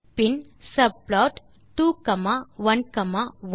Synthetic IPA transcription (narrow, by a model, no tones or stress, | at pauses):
pinsɐb̚plɔːʈ | ʈːuːkɐmaʋɐnkɐmaʋ